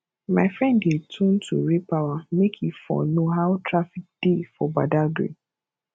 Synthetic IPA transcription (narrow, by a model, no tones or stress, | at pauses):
maɪfɾɛ̃ndetʰũn̩tʰṵɾepawamekʰifɔ̰noɦaʊtʰɾafik̚d̥ifɔbadaɡɾḛ